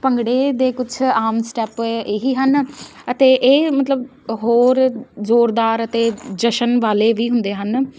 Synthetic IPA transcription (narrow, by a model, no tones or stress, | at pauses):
pəŋɡɽeːd̪eːkʊt͡ʃʰaːmsʈɛːpeɦiːɦənət̪eːʔeːmət̪ləb | ɦoːɾzoːɾd̪aːɾət̪eːd͡ʒəʃənʋaːleːʋiːɦʊnd̪eːɦən